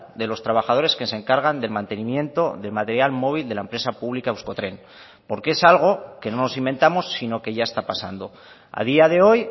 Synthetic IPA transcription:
d̪e̞lo̞st̪ɾaβ̞axað̞o̞ɾe̞skense̞ŋkaɾɣand̪e̞lmãnt̪e̞nimjẽ̞nt̪o̞ðe̞lmat̪e̞ɾjalmo̞β̞ild̪e̞laempɾe̞sapuβlikaewsko̞t̪ɾe̞n | po̞ɾke̞salɣ̞o̞ke̞no̞no̞simbe̞nt̪amo̞sːino̞ke̞ʝae̞st̪apasa̰nd̪o̞ | a̰ð̞iað̞e̞o̞j

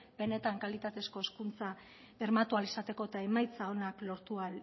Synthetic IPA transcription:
be̞ne̞t̪aŋkalit̪at̪e̞sko̞eskunt͡sa | e̞ɾmat̪ualisat̪e̞ko̞et̪aemajt͡sao̞naklo̞ɾt̪ual

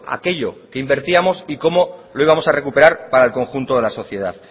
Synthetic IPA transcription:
a̰ke̞ʎo̞ke̞imbe̞ɾt̪iamo̞siko̞mo̞lo̞iβamo̞sare̞kupe̞ɾaɾpaɾaelko̞ŋxunt̪o̞ðe̞laso̞θje̞ð̞a̰θ

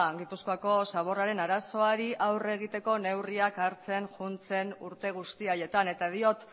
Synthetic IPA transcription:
ɡipusko̞ako̞saβ̞o̞raɾe̞naɾaso̞aɾiʔawre̞ɣ̞it̪e̞ko̞ne̞wriakaɾt͡se̞ŋʝunt͡se̞nuɾt̪e̞ɣ̞ust̪iaje̞t̪ane̞t̪að̞io̞t̪

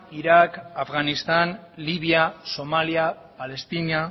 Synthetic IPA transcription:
iɾakafɣanist̪anliβ̞iaso̞malia | pale̞st̪ina

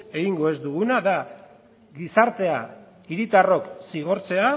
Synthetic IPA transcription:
e̞ɣiŋɡo̞e̞zd̪uɣunaða | ɡisaɾt̪e̞a | iɾit̪aro̞ksiɣ̞o̞ɾt͡se̞a

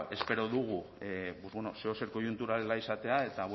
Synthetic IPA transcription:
e̞speɾo̞ðuɣ̞ubozβonoseoseɾko̞junt̪uɾalelaisat̪e̞ae̞t̪aβ

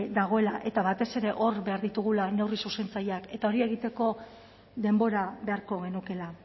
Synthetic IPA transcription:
d̪aɣ̞o̞e̞laʔe̞t̪aβat̪e̞se̞ɾe̞ʔo̞ɾβe̞aɾðit̪uɣulane̞wrisuse̞nt͡sajake̞t̪ao̞ɾie̞ɣ̞it̪e̞ko̞ | ðe̞mbo̞ɾaβe̞aɾko̞ɣ̞e̞nuke̞la

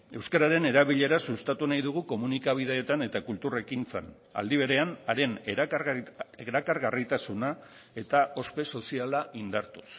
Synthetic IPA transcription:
e̞wskaɾaɾe̞ne̞ɾaβ̞iʎe̞ɾasust̪at̪unajðuɣ̞uko̞munikaβ̞iðeːt̪ane̞t̪akult̪ure̞kint͡sḛn | a̰ld̪iβ̞e̞ɾe̞anaɾe̞n | eɾakaɾɣarit̪asuna | e̞t̪aʔo̞spe̞so̞sialaʔind̪aɾt̪u̥s

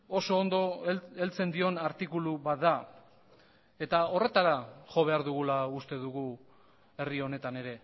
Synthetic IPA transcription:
o̞so̞ːnd̪o̞e̞lt͡se̞nd̪io̞naɾt̪ikuluβat̪d̪a | e̞t̪ao̞re̞t̪aɾaʝo̞β̞e̞aɾðuɣ̞ulaust̪e̞ðuɣu | e̞rio̞ne̞t̪ane̞ɾe̞

